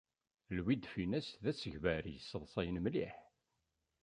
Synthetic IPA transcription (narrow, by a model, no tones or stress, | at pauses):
lwid̪finæsðæsəʝvæɾijəsːəðˤsˤɑjənmlḭħ